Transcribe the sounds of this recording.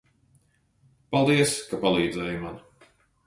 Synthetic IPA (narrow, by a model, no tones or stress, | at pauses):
palˠd̪iɛəskapalˠiːd̪zɛːjuman